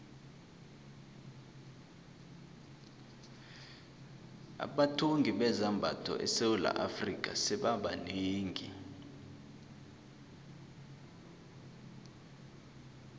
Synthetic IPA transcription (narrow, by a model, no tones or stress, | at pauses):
a̰ɓatʰoŋɡʱiɓɛzambʱatʰɔ̰ʔɛsewula̰ʔafrikʼasɛɓaɓa̰neːŋɡʱi